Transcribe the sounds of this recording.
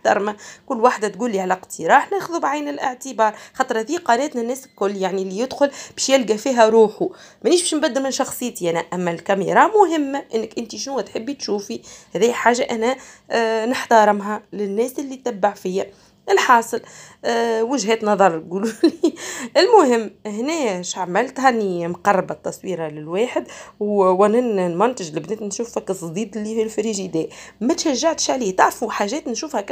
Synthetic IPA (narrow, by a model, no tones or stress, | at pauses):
ħt̪ɑ̰ɾˤmækʊlːwaħd̪æt̪̚ɡuːlːiʕalæqt̪ʰəɾˤɑːħnɛːxʊðubʕajnɪlʔɪʕt̪əbɑːɾˤxɑt̪ˤɾðiːqɑnɛːt̪nænːɛːslkʊlːjaʕnilːijɪd̪xʊlbɛːʃjɪlɡæfiːɦæɾuːħu | mæniːʃbæːʃmbæd̪ːəɾmɪnʃɑxsˤɨjːt̪iʔænæʔæmːælkæmiɾˤɑmʊɦɪmːæʔɪnːəkʔɪnt̪iʃnuwːæt̪ħɪbːit̪ʃuːfihæðijħaːʒːaʔænæ | nɪħt̪ɑɾˤɪmɦælɪnːɛːsʔɪlːit̪t̪æbːaʕfɪjːæ | ɪlħɑːsˤɨlː | wɪʒɦɛːt̪nɑðˤɑɾˤlɡuːluliɪlmʊɦɪmːhnɛːʃaʕmɪlt̪hanːimqɑrˤːbat̪ːɑsˤwiːɾalɪlweːħəd̪wwɪnɪnnmʊnt̪ɪʒlɪbnɛːt̪nʃuːfækɨsˤd̪iːd̪ɪlːihilfɾiːʒid̪ɛːmæt̪ʃæʒːaʕt̪ə̥ʃʕliːt̪aʕɾfuħaːʒɛːt̪nʃuːfhæk